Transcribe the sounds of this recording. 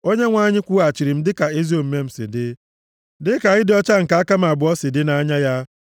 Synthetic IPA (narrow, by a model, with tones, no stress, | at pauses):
o˦ɲe˦ŋʷa˦ɲɪ˦kʷu˦a˨t͡ʃi˨ɾi˨m̩˦dɪ˦ka˨e˦zi˦o˨m̩˦me˦m̩˨sɪ̰˨dɪ˦ | dɪ˦ka˨ɣɪ˦dɪ˨ɔ˦t͡ʃa˦ŋ̩˨ka˨a˦ka˦ma˨bʊ˨ɔ˦sɪ˨dɪ˦na˦ɲa˦ja˦